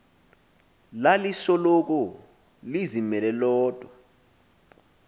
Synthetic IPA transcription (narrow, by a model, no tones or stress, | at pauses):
lalisɔlɔk̬ɔ | lizimɛlɛlɔːd̥ʼʱwa